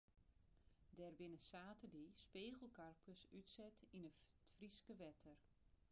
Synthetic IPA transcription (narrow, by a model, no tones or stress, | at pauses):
dɛrbɪnəsaːtəlispeːɣəl̩ˠkarpʰəsytsɛtʰinətfriskəʋɛtʰər